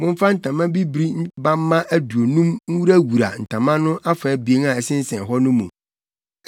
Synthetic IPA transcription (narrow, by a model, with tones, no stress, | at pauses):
mʊ̃˦ɱ˦fa˦n̩˨tʰã˨mã˦bi˦bɾi˦ba˦m˦mã˦ʔæ˦du˨o˨nũ˦mŋ̩˦wu˦ɾæ˦wu˨ɾa̰˨n̩˨tʰã˨mã˦nʊ̃˦ʔa˦fa˨˦bi˨e˦nã˨ɛ˨sɪ̃˦n̩˦sɛ̃˨ɦɔ˦nʊ̃˦mũ˨